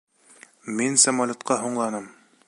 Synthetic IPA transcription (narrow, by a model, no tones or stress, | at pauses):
minsæmɒlʲˠot̪qʰɑɦoɴlˠɑnɤm